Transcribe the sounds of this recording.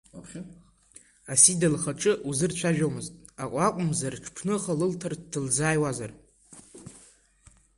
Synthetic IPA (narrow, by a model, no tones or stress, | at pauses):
apχʲ | asidalχaʈ͡ʂʼɨʔuzɨrt͡ʃʷʰaʒᶣomɨztʼakʷʼakʷʼʊmzarʈ͡ʂʰpʰnɨχalɨltʰardɨld͡zaːjwazar